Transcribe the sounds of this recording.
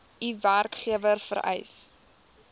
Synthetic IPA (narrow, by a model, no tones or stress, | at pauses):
iværkχiəvərfə̰ɾɛ̰js